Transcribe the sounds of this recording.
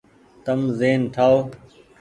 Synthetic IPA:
t̪əmzeːnʈʰaːoː

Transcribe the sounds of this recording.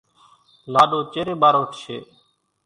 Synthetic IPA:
laːɗoːt͡ʃeːɾeːɓaːɾoːʈʰʃʰḛː

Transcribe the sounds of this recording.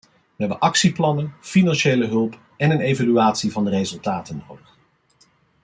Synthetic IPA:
ʋəɦɛbənʔɑksiplɑnənfinɑnʃejləɦɵlˠp | ɛnənejvalyaːtsivɑndərejzɵlˠtaːtənːowdəχ

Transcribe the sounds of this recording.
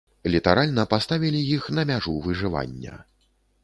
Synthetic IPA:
lʲit̪aɾalʲnɐpast̪avʲilʲijixn̪ɐmʲaʐuvɨʐɨva̰nʲːɐ̰

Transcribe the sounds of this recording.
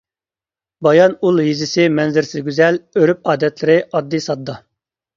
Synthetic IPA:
bɑjɑnulˠjizɪsɪmɛnzɪɾsɪzɡʲyzɛløɾyp̚ɑːd̪ɛt̪lɪɾɪʔɑd̪ːisɑd̪ːɑ

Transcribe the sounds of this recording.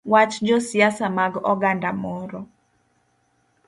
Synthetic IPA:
wat͡ʃd͡ʒɔsɪjasamaɡɔ̰ɡandamɔɾɔ

